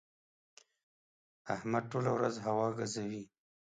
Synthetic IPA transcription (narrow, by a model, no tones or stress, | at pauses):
ahmad̪̚ʈolawɾazɦawɑɡazawi